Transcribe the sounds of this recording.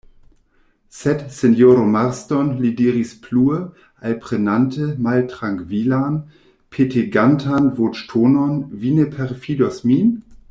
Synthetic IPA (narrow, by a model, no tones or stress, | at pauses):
sɛtsenjoɾomaɾstɔnlidiːʁispʰluə | ʔalpʁ̥enantʰəmaltʁaŋkvilan | pʰetʰeɡantʰanvot͡ʃtʰononvinepʰɛʁfidɔsmin